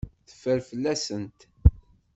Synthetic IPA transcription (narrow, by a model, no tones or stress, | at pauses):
θə̥fːəɾfəlːæsənt̪